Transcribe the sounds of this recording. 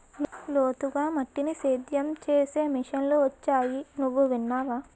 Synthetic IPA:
llo̞ːt̪uɡaːmɐʈːiniseːd̪jɐmt͡ʃeːse̞ːmiʂɐnloːʋɐt͡ʃːaːjinuʋːuʋinːaːʋaː

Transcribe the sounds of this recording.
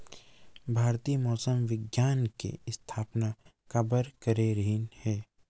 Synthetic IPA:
bʱaːɾt̪iːmɔːsəmʋɪɡjaːnkḛɪst̪ʰaːpna | kɐbəɾkəɾeɾəɦɪnhɛː

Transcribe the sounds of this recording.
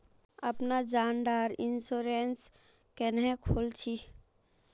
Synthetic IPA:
əpnad͡ʒaːnɖ̪aɾinsoɾens | kenɦɛ̃kʰolt͡ʃʰi

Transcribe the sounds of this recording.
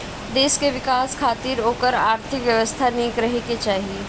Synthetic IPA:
d̪eːʃkeʋɪkaːskʰaːt̪iːɾoːkəɾaːɾt̪ʰɪkʋjəʋəst̪ʰanĩːkɾɐɦeket͡ʃaːɦie

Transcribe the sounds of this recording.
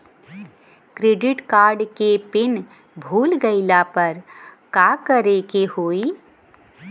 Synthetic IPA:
kɾeːɖɪʈkaːɾɖkepɪn | bʱuːlɡəɪlapəɾkakəɾekehoːi

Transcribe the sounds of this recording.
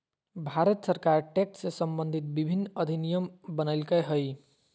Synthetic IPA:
bʱaɾət̪səɾkaɾʈekʈsesʌmbənd̪ʱit̪̚bibʱinːʌd̪ʱinijəmbənəɪlkəjɦəj

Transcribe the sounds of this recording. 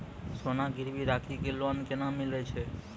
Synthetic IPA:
sonaɡʱiɾbiɾakʰiɡeloankenamilet͡ʃʰe

